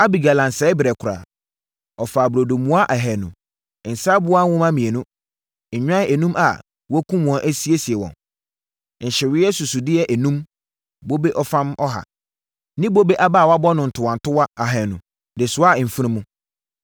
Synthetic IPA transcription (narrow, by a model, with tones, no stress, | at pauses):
a˦bi˨ɡa˨lã˨n˨sɛ˨˦ɪ˦bɪ˨ɾɛ˨kʰʊ˨ɾa̰ː˨ | ɔ˨fa˨bɾo˨do˨mũ˦a˦ʔa˨ɦɛ˨nʊ̃˨ | n̩˨saː˦bʊ˦a˦wʊ̃˦ma˦mĩ˨e˨nʊ̃˦ | ɲ̩˨ɲᶣã˦ɛ˨nũ˦ma̰˨ | wɔ˦kʰũ˦m̃˨ɔ̃˨˦ʔæ˦si˦e˦si˨ɛ˨wɔ̰̃˨n˨ | n̩˨ɕɪ˨ɾɪ˦ɛ˦su˨su˨dɪ˦ɛ˦˨ʔæ˨nũ˦m | bo˦be˦ʔɔ˦fã˦mɔ˦ɦa̰˨ | nɪ̃˦bo˦be˦ʔa˦baː˦˨wa˦bɔ˦nʊ̃˨n̩˨tʰʊ˨wã˨n˨tʰʊ˦wa˦a˨ɦɛ˨nʊ̃˨ | dɪ˨sʊ˦a˦˨m̩˨fu˦ɾĩ˦mũ˦